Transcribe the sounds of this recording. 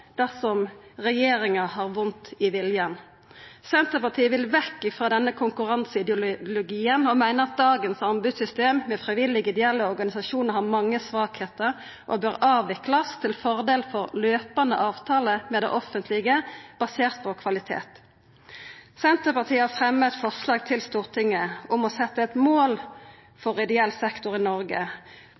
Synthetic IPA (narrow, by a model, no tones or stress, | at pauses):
d̪̥æʁsɔmʁɛjeːɾɪŋɑhɑːʁʋʊnt̪ɪʋɪljən | sɛnt̪əpɑʁt̪ʰiːəʋɪlʋɛkːɪfʁɑːd̪ɛnːəkʰʊŋkʉʁɑnsɪd̪ʊlʊɡiːənɔmæɪnəɾɑt̪̚d̪ɑːɡənsɑmbʉd̪sʏst̪eːmmɛfʁɪʋɪlɪɡɪd̪ɛɛlːəɔʁɡɑnɪsɑʃuːnhɑːmɑŋːəsʋɑːkheːt̪əʁ | ʔɔ̰bøːʁɑːʋɪklɑst̪ʰɪlfɔʁd̪eːlfɔʁløːpɑnd̪ə̰ʔɑːʋt̪ʰɑːləmɛːd̪ɛ̰ʔɔfənt̪ʰlɪɡəb̥ɑseːʁt̪̚pʰɔkʰʋɑlɪt̪ʰḛːt̪ | sɛnt̪əʁpɑʁt̪ʰiːəhɑfʁɛmːət̪fɔʁslɑːɡ̚t̪ʰɪlst̪uːʁt̪ʰɪŋːəʊmɔsɛt̪ːəɛt̪moːl | fɔʁɪd̪ɛɛlsɛkt̪ʊʁɪnɔʁɡə̰